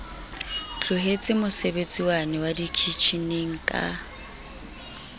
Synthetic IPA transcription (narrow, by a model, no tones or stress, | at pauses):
t͡ɬʼʊɦet͡sʼɪmʊsebet͡sʼiwanɛwadikʰit͡ʃʰineŋ̩kʼa̰